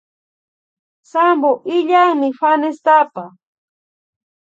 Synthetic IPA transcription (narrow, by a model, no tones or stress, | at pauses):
samboʔɪʎaŋmɪfanɪst̪apa